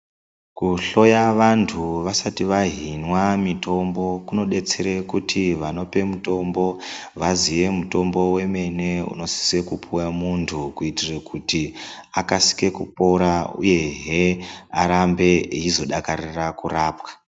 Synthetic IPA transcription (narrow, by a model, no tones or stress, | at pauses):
kuɬo̞jaʋantʰuʋasatiʋaɦinwamito̞mbo̞kuno̞ɗe̞t͡seɾekutʰiʋano̞pe̞muto̞mbo̞ʋaziʋe̞muto̞mbo̞we̞me̞ne̞ṵno̞si̥se̞kupʰuwamuntʰukuitirekʰutiakasi̥ke̞kupo̞ɾaṵje̞ɦea̰ɾambe̞ɦizo̞ɗakarirakuraːpkḁ